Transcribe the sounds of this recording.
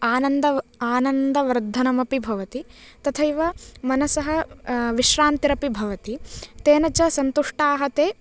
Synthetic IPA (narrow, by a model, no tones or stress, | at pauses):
aːnɐnd̪ɐaːnɐnd̪ɐʋɐɾd̪ʱːɐnɐmɐpibʱɐʋɐt̪it̪ɐt̪ʰɐiʋɐmɐnɐsɐɦɐʋiʃɾaːnt̪iɾɐpibʱɐʋɐt̪it̪eːnɐt͡ʃɐsɐnt̪uʂʈaːɦɐt̪eː